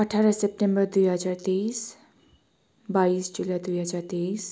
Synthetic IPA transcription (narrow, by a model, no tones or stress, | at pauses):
ʌʈʰaɾʌsep̚ʈembʌrd̪ujɦʌd͡zart̪es | baisd͡ʒulad̪ujɦʌd͡zart̪es